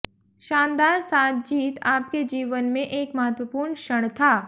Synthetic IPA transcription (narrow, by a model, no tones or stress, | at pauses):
ʃãːnd̪aːɾsaːt̪̚ʰd͡ʒiːt̪aːp̚ked͡ʒiːʋənmẽʔeːkmɐɦət̪ʋəpuːɾɳʃəɽ̃t̪ʰaː